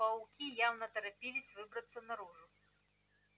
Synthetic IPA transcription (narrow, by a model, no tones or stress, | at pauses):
ɐwkʲijawnɐt̪ɛɾɐpʲilʲisʲvɨbɾɐt̪sːɐnɐɾuʐʊ